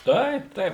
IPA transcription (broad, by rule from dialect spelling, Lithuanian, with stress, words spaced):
ˈtɐɪp ˈtɐɪp